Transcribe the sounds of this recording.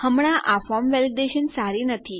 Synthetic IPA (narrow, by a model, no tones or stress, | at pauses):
həmɽ̃ãʔʔafɔmʋeld̪eɕənsaɾinət̪ʰi